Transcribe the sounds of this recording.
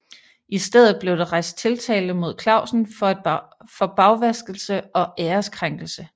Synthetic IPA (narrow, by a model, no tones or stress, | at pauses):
ʔisd̥eð̞̰ˠð̩ˠb̥le̝ʊd̥eʁɑ̈ɪ̰sd̥̚t͡sʰe̝lt͡sʰɛ̰ːld̥mo̝ð̞̰ˠkʰlɑ̈ʊ̰sn̩f | fɒ̽b̥ɑ̈ʊʋæsɡ̥l̩səɒ̽ʔeːɐskʰʁaŋɡ̥l̩sə